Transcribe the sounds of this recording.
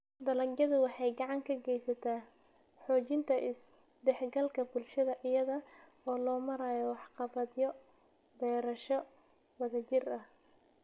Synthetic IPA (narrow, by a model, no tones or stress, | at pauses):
d̪ɐlɐɡjɐðʊwɑħɑjɡɑʕɑŋkʰɐɡɛjsɐt̪ʰaːħɔːt͡ʃɪnt̪ʰɐʔɪsd̪ɛħɡɐlkʰɐbʊlʃɐðɐʔɪjɐðɐɔːlɔːmɐɾaːjɔwɑħqɑβɐd̪jɔbɛːɾɐʃɔwɐðɐt͡ʃɪrɐh